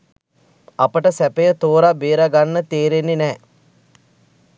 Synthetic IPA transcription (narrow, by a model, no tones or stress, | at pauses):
apəʈəsæpejət̪oːɾabeːɾaɡanːət̪eːɾenːenɛː